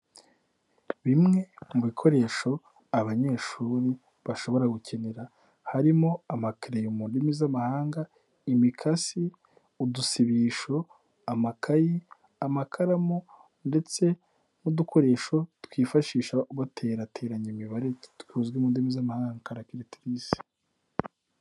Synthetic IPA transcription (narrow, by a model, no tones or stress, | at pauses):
βimŋe̞muβikʰo̞ɾe̞ːʃo̞ | aβaɲe̞ːʃuːɾi | βaʃo̞βo̞ɾaɡucʰe̞ne̞ɾa | haɾimo̞amakɾejomuːndimizamahaːŋɡa | imikʰasi | udusiβiːʃo̞ | amakʰaji | amakʰaɾamo | nde̞t͡se̞ | nudukʰo̞ɾe̞ːʃo̞twiːfaʃiːʃauβatʰe̞ːɾatʰe̞ːɾaɲimiβaɾe̞twuzɡimuːndimizamahaːŋɡaŋkaɾakiɾetiɾisi̥